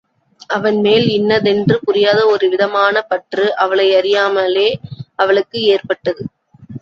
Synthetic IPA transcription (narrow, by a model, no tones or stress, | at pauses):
ʔɐʋɐnmeːlɪnːɐðɛndrɯpʊrɪjaːðɐɔɾɯʋɪðɐmaːnɐpɐʈrɯʔɐʋɐɭɐɪɐɾɪjaːmɐleːɐʋɐɭɯkːɯeːrpɐʈːɐðɯ